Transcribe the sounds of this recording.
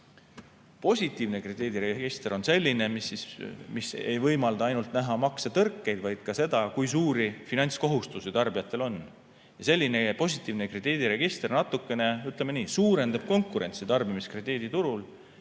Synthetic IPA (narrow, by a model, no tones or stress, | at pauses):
po̞sʲit̪ːˑiːvne̞kred̪iːd̪̥iɾeɡeɡ̥ist̪ro̞nse̞lʲːine̞misːismise̞jvɤjmɑld̪̥ɑɑjnult̪næɦɑmɑkset̪ɤrkːe̞jd̪vɑjd̪̥̚kɑse̞d̪ɑkujs̬uːɾifinɑnʲt̪sko̞ɦust̪usit̪ɑrbijɑt̪ːˑe̞lo̞n | jɑse̞lʲːine̞po̞sʲit̪ːˑiːvnekred̪iːd̪̥iɾe̞ɡ̥ist̪rnɑt̪ˑːukːˑe̞ne̞yt̪ˑlemeniːsuːɾe̞nd̪ɑb̥̚ko̞ŋkˑuɾe̞nʲt̪sit̪ɑrbimiskred̪iːd̪̥it̪uɾul